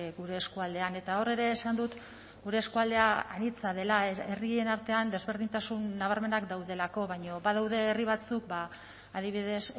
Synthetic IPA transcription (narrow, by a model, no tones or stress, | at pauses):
ɣuɾe̞ːskuald̪e̞ane̞t̪ao̞re̞ɾe̞ːsand̪ut̪ | ɡuɾe̞ːskuald̪e̞aa̰nit͡sað̞e̞laerie̞naɾt̪e̞and̪e̞zβeɾðint̪asunːaβ̞aɾme̞nakd̪awðe̞lako̞βajɲo̞βaðawðe̞ːriβ̞at͡suk̚baː | ðiβiðe̞s